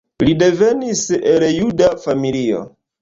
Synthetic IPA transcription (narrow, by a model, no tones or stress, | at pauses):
lide̞ve̞niseljudafamilio̰